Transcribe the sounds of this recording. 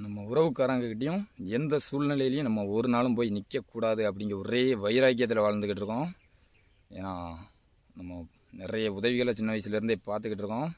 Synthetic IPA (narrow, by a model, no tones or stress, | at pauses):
nɐmːɐʊɾɐʋɯkːaːɾaːŋɡɐkːɪʈ̬ːɐjʊ̃ɛnd̪ɐsuːlnɪlɐjɪlɐjʊ̃nɐmːɐɔɾɯnaːlɯmpoːjinɪkːɐkːuːɽaːðɯɐp̬ːɐɽɪŋɡɪɾɐɔɾeːʋɐɪɾaːk̬ɪjɐt̪ːɪlɐʋaːɻɐnd̪ɯkːɪʈːɪɾɯkːõː | ḛːnaː | nɐmːɐ | nɪrɐjɐʊðɐʋɪɣɐɭt͡ʃɪnːɐʋɐɪsɪlɪɾnd̪epaːɾt̪ɯkːɪʈːɪɾɯkːõː